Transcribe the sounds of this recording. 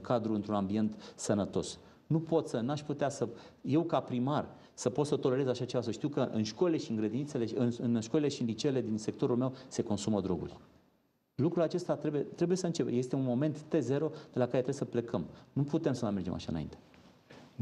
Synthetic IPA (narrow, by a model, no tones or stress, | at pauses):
kad̪ɾuɨnt̪ɾunambie̞nt̪sənət̪o̞̰s | nupo̞t̪sənaʃput̪easəje̞wkapɾimar | səpot̪sət̪o̞le̞ɾe̞zaʃat͡ʃe̞vas̬əʃt̪iwkəʔɨ̰nʃko̞lʲile̞ʃiɨŋɡɾed̪init̪sele̞ɨnɨnʃko̞lile̞ʃiɨnlit͡ʃele̞d̪inse̞k̚t̪o̞ɾulme̞wse̞ko̞nsuməd̪ɾo̞̰ɡṵlʲ | lukɾulat͡ʃe̞st̪at̪ɾebujet̪ɾe̞buje̞səɨnt͡ʃe̞peje̞st̪eunmo̞me̞nt̪ːe̞ze̞ɾo̞d̪̥e̞lakaɾeɾejesəple̞kʰəmnuput̪e̞msəmajmerd͡ʒe̞mʔa̰ʃa̰ɨ̰naḭnt̪e̞